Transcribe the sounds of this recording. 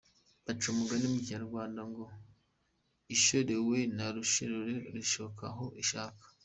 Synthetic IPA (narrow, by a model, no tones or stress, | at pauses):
bat͡ʃumuɡanimuciɲaɾɡwaːndaŋɡo̞ | iʃoɾewenaɾuʃiɾoɾeɾiʃoβokaɦo̞ʔiʃaːkḁ